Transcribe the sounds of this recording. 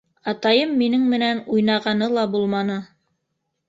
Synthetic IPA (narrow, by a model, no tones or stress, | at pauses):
ɑt̪ɑjɤmːinɘŋmɘ̆nænujnɑʁɑnɤlˠɑbulˠmɑnɤ